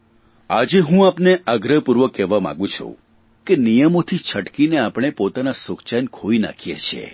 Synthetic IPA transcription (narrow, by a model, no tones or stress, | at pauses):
a̰d͡ʒeɦũapneʔaɡɾəɦpuɾʋəkːɛʋamã̰ɡũt͡ʃʰṵ̃ | kenijəmot̪ʰit͡ʃʰəʈkineapɽ̃epot̪anasokt͡ʃankʰoina̰kʰijḛt͡ʃʰḛ